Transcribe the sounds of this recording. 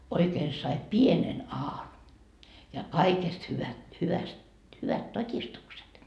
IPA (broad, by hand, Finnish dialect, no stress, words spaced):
oikeːn sɑi pienen ɑːn jɑ kɑikest hyʋæ hyʋæst hyʋæt totʲistukset